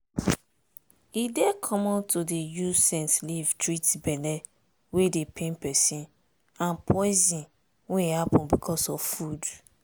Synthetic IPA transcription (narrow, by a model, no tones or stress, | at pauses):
idekʰɔmɔ̃ntodejusɛ̃nslivtɹitbɛlɛ | wedepʰẽnpɛsĩn | ãnpʰɔɪzĩn | wehapɔ̃nbikʰɔsɔvfud